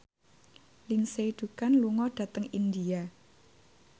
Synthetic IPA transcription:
liŋsed̪̥ṳkanluŋɔɖ̥ä̤t̪əŋind̪ia

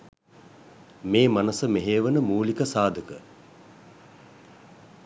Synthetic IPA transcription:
meːmanɐsəmeɦeːʋənəmuːlikəsaːd̪ʱəkə

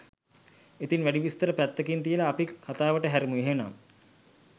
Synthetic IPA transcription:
et̪inʋæɖiʋist̪əɾəpæt̪ːəkint̪ijəlaːpikʰat̪aːʋəʈəɦæɾimuiɦena̰m

